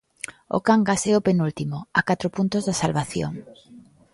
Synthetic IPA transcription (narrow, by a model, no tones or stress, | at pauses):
o̰kaŋɡasɛʊpenult̪imoakat̪ɾopunt̪ozðasalβaθjo̰ŋ